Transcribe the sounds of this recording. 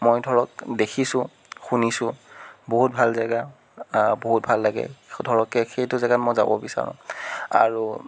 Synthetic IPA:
mojdʱɔɹɔk̚dekʰisʊ̃ | xunisʊ̃boɦut̚bʱalzaɡa | boɦut̚bʱalːaɡɛ̰dʱɔɹɔkɛxejtʊzɛɡatmojza̰bɔ̰bisa̰ɹʊ̰̃a̰ɹu

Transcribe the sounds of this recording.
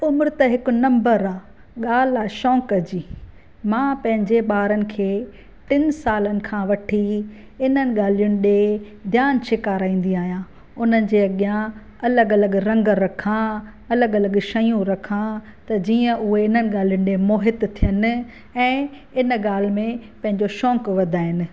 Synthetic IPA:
ʊmɾt̪ɐɦɪkʊ̆nɐ̃mbəɾaː | ɠaːl̤aːʃɔ̃ːkɐd͡ʑiː | mãːpɐ̃ɦɪ̃ɲd͡ʑeɓaːɾənɪ̆kʰeː | ʈɪnsaːlənɪ̆kʰãːʋɐʈʰi | ɪnənɪ̆ɠaːlijʊnɪ̆ɗe | d̪ʱjaːnʃʰekaːɾaːĩːn̆d̪iaːɦijãː | ʊnənɪ̆d͡ʑeːɐɠjã | ɐləɡɐləɡɾɐ̃ŋɡɾɐkʰã | ɐləɡɐləɡʃɐjũɾɐkʰã | t̪ɐd͡ʑiːə̃ʔʊɦeɪnənɪ̆ɠaːl̤ijʊñɪ̆ɗemoːɦɪt̪t̪ʰijənɪ̆ | ɛ̃ː | ɪn̆ɠaːl̤mẽpɐ̃ɦɪ̃ɲd͡ʑoʃɔ̃ːkʋɐd̪ʱaːɦɪnɪ̆

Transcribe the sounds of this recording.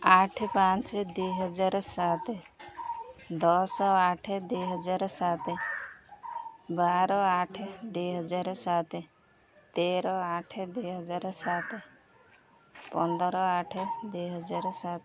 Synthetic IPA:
aʈʰpãnt͡ʃd̪ujɦɔd͡ʒaɾsat̪e | d̪ɔsɔaʈʰed̪ujɦɔd͡ʒaɾsat̪e | baɾɔaʈʰed̪ujɦɔd͡ʒaɾsat̪e | t̪eɾɔaʈʰed̪uɦɔd͡ʒaɾsat̪ʰe | pɔnd̪ɾɔaʈʰed̪ujɦɔd͡ʒaɾsat̪

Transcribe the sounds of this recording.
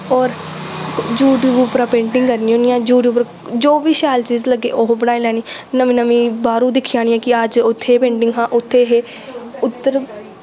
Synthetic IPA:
ɔːɾ | d͡ʒuːɖuːpɾaːpẽːɳʈɪ̃ŋɡkəɾniːõnɪjãːd͡ʒuːɖjuːpɾ | d͡ʒoːʋiːʃɛːlt͡ʃiːzləɡːḛːʔoːɦbəɽaːĩlɛːñiːnəmĩːnəmĩːbaːɾũːd̪ɪkʰːijaːnɪjãːkɪəd͡ʒʊt̪ʰːeːpẽːɳʈɪ̃ŋɡɦãːʔʊt̪ʰːeːɦeː | ʊt̪ːəɾ

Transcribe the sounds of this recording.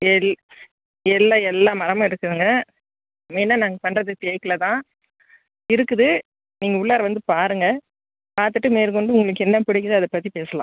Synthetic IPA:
ɛl | ɛlːaːɛlːaːmɐɾɐmɐ̃ːɪɾɯkːɯðɯŋɡɐ | mɛnːɐnaːŋɡɐpɐnɾɐðɯt̪eɐkːɐlɐt̪ãː | ɪɾɯkːɯðɯ | niːŋɡɐʊɭːaːɾɐʋɐnd̪ɯpaːɾɯŋɡɐ | paːɾt̪ɯʈːɯmeːɾkɔɳɖɯʊŋɡɐɭɯkːɯɛnːɐpɪɽɪkːɯðɯɐðɐpɐt̪ːipeːsɐlã̰ː

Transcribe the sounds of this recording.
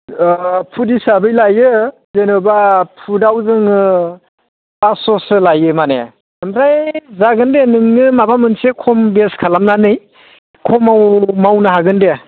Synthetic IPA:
pʰudisabɯjlajɯzenɯbapʰudawzɯŋɯ | basɔsɯlajɯmanḛ | ɯmɾajzaɡɯndenɯŋːɯmabamɯnsekʰɔmbeskʰalamnanɯj | kʰɔmawmawnɯɦaɡɯnde

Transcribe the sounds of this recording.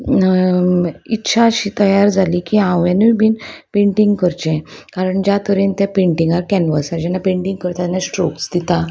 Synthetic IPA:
itːɕʰaəɕit̪əjaɾd͡zʱalikiãwjãnubinpẽɳʈĩŋɡkəɾt͡ɕɛ̃kaɾəɳd͡ʑat̪əɾint̪japẽɳʈĩŋɡaɾkɛ̃nʋəsaɾd͡ʑɛnːapẽɳʈĩŋɡkəɾt̪at̪ɛnːasʈɾoksd̪it̪a

